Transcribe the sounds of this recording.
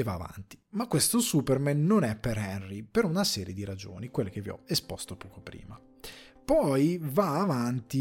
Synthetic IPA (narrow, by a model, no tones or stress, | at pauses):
vaːva̰nt̪i̥makːwest̪osupɛrmɛnːonɛpːeɾɛnripeɾunasɛːɾjed̪iɾad͡ʒo̰ːnikwelːek̟evːiɔ̰espɔst̪opɔːkopɾḭːma | pɔjvaːvant̪i